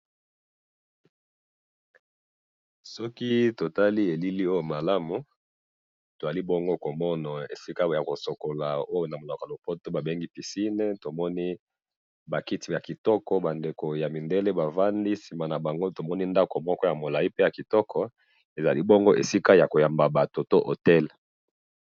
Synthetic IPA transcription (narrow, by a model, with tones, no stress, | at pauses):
sɔ˦ki˦to˨ta˦li˦e˨li˦li˦o˦jo˨ma˨la˦mu˨ | to˨a˨li˦bɔ˦ŋɡo˦ko˨mɔ˦na˨ḛ˨si˦ka˦ja˨ko˨so˨ko˨la˨o˦jo˦na˨mo˨la˨klo˨po˦to˦ba˨be˦ŋɡi˦pi˨si˦ne˦to˨mɔ˦ni˦ | ba˨ki˦ti˨ba˨ki˨tɔ˦kɔ˦ba˨nde˨ko˨ja˨mi˨nde˦le˦ba˨va˦ndi˦si˨ma˨na˨ba˨ŋɡo˦to˨mɔ˦ni˦nda˦ko˨mɔ˦kɔ˦ja˨mo˨la˨i˦pe˦ja˨ki˨tɔ˦kʰɔ˦ | e˨za̰˨li˦bɔ˦ŋɡo˦ʔḛ˨si˦ka˦ja˨ko˨ja˨mba˨ba˨to˨to˦ʔo̰˨tɛ˦l